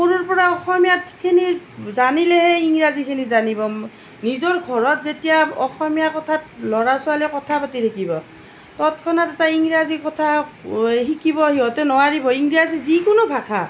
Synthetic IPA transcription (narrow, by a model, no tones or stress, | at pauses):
moɹuɹpɔɹaɔxɔmijatkʰini | zanilɛhɛiŋɹazikʰinizanibɔ | nizɔɹɡʱɔɹɔtzetijaɔxɔmijakɔtʰat̚lɔɹasʊalɛkɔtʰapatitʰakʰibɔ | tɔtkʰɔnatɛtaiŋɹazikɔtʰa | ɦikʰibɔɦiɔtɛnɔwaɹibɔiŋɹazizikʊnʊbʱakʰa̰